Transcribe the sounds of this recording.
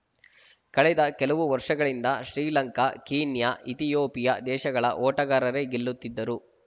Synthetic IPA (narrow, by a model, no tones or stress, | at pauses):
kɐɭɛd̪ɐkɛlɐʋuʋɐɾʂɐɡɐɭind̪ɐʃɾiːlɐŋkɐkiːnjɐʔit̪ijoːpijɐd̪ɛːʃɐɡɐɭɐ̰ʔɔːʈɐɡaːɾɐɾe̞ɡilːut̪ːid̪ːɐɾu